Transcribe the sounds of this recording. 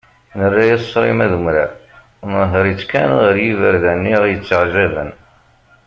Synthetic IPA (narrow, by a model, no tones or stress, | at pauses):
nərːajæsˤːɾˤimæðumɾa̰ | nəɦəɾˤit͡sːkænʁəɾjivəɾðænːiʁjət͡sːəʕʒævə̰n